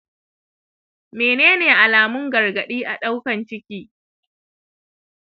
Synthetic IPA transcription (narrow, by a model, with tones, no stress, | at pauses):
meː˨neː˦neː˨ʔa˨laː˨mʊ˦ŋɡɐ˨rɡɐ˨ɗiː˦ʔa˨ɗa˦wkɐ˨nt͡ʃɪ˦kʲiː˦